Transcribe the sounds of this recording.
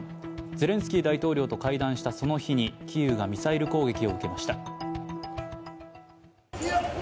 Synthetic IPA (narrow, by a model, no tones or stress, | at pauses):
ze̞ɾẽ̞sɨ̥kʲiːd̪ait̪o̞ːɾʲo̞ːt̪o̞kaid̪ãɰ̃ɕi̥t̪aso̞no̞çiɲ̟ikʲijɯ̟ːɡamʲisaiɾɯ̟ko̞ːɡe̞kʲio̞ɯ̟ke̞maɕi̥t̪a